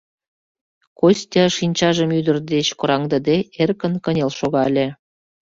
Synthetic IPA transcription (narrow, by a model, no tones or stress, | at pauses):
kosʲtʲɑʃinʲt͡ɕɑʒəmyd̪ə̆rd̪et͡ɕkŏɾɑŋd̪ə̆d̪eerkə̆nkə̆nʲelʃoɣɑlʲe